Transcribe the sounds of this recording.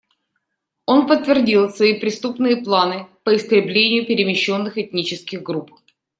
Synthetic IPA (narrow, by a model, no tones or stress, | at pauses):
o̞npət̪ːvʲɪrdʲilˠsvəipɾʲɪst̪upnɨjəplˠanɨpəɪst̪ɾʲɪblʲenʲɪjʊpʲɪɾʲɪmʲɪɕːo̞nːɨxɛt̪̚ʲnʲit͡ɕɪskʲɪɣɡɾup̚